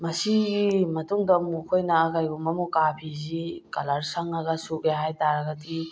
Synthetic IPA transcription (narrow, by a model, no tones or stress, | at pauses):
mɐsiɡimɐtuŋdɐmukʰojnɐːɡajɡumɐmukapʰizikɐlɐɾsɐŋɐɡɐsuɡeɦajtaɾɐɡɐdi